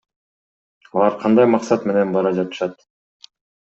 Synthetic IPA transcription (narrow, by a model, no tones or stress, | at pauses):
ɑlˠɑɾqʰɑnd̪ɑjmɑqsɑt̪me̞ne̞nbɑɾɑd͡ʒɑt̪ɯ̥ʃɑt̪